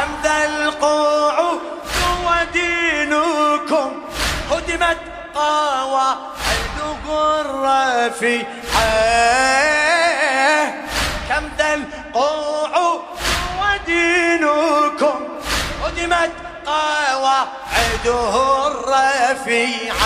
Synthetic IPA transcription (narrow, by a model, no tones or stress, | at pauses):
kamðalquːʕʊ | θʊwad̪iːnʊkʊm | qʊd̪ɪmat̪ | qɑːwa | ʕɪd̪ʊɣʊrˤːɑfi | ħa | kamðal | qʊʕʊ | sʊwad̪iːnʊkʊm | qʊd̪ɪmat̪ | qɑːwa | ʕɪd̪ʊɣʊɾːɑfiʕa